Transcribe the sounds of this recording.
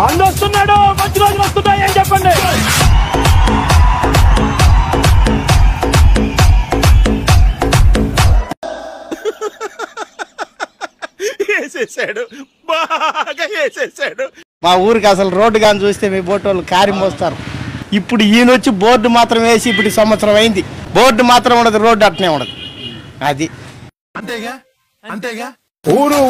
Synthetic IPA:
ɐɳɖost̪unːaːɽumɐɲt͡ʃiɾoːd͡ʒulost̪unːaːjeːnt͡ʃɛpːɐɳɖi | eːseːsaːɽu | baːɡaːeːseːsaːɽu | maːuːɾukɐs̬ɐluɾo̞ːɖːuɡaːnid͡ʒuːst̪e̞ːmiːboːʈːoːlukaːɾjɐmɔst̪aːɾuipːuɽuiːnot͡ʃːibo̞ːɾɖːumaːt̪ɾɐmʋeːsiːp̬ːuʈisɐmʋɐt̪sɐɾɐmɐjind̪ibo̞ːɾɖːumaːt̪ɾɐmuɳɖɐd̪iɾo̞ːɖɐʈːɐneːuɳɖɐd̪iɐd̪i | uːɾu

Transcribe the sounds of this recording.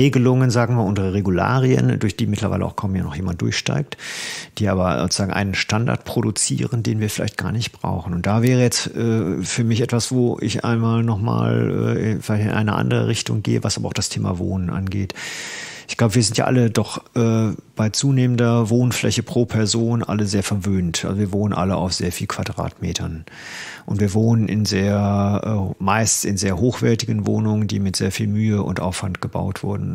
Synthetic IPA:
ʁeːɡəlʊŋənzaːɡŋ̩viːɐʔʊnzəʁəʁeɡula̰ːʁiə̰ndʊɐçd̥iːmɪtʰlɐva̰ɪlə̰ʔaʊkʰɔmənja̰ːnɔχjeːmant̚d̥ʊ̰ɐçʃta̰ɪk̚td̥iːʔaːbɐzo̰t͡sz̥aːɡŋ̩ʔa̰ɪnənʃtanda̰ɐtpʁ̥oɾut͡sḭːʁəndeːnviːɐfɪlaɪçt̚ɡ̥a̰ːɐnɪçtb̥ʁa̰ʊxn̩ʊnt̚d̥avɛːʁəjɛt͡sʔɛːfyːɐmɪçʔɛtv̥asv̥oːʔɪ̰çʔa̰ɪnmaːlnɔχma̰ːlʔɛ̰ːɪnfɪlaɪçtɪnʔaɪnəʔa̰ndəʁ̞ə̰ʁɪçtʊŋɡeːəvasʔabɐ̰aʊxd̥astʰeːma̰vo̰ːnənʔa̰nɡeːt | ʔɪçɡ̥laʊbəviːɐzɪntja̰ʔa̰lədɔχʔɛːb̥aɪt͡suːneːməndɐvoːnflɛ̰çəpʁ̥oːpʰɛɐzoːnʔa̰ləzeːɐfɛɐvøːntʔalzoviːɐvoːnənʔa̰ləʔa̰ʊfz̥eːɐfiːlkʰv̥adʁa̰ːtmeːtʰɐn | ʔʊntv̥iːɐvoːnənʔɪ̰nzeːɐʔɛːmaɪssɪnzeːɐɦoːxv̥ɛɐtɪɡən̩vo̰ːnʊŋəndiːmɪtz̥eːɐfiːlmyːəʔʊ̰ntʔaʊfv̥antɡ̥əba̰ʊtv̥ʊɐdn̩

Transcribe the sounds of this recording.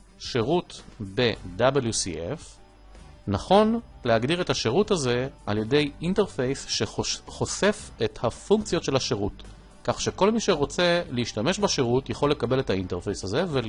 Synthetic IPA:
ʃe̞ʁutbe̞dabeljusḭʔef | naχo̞nlehaɡdiʁe̞thaʃeʁutaze̞alje̞de̞jinte̞ʁfejsʃeχo̞se̞fethafuŋkt͡sjo̞tʃelhaʃeʁut | kaχʃeko̞lmiʃe̞ʁo̞t͡se̞leiʃtame̞ʃbaʃe̞ʁutjaχo̞lːe̞kabe̞lethainteʁfejsaze̞ve

